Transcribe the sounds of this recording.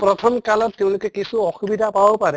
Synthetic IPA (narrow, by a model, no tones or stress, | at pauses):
pɾɔt̪ʰɔmkalɔttɛʊ̃lʊkɛkisuɔxubidʱapabɔpaɾɛ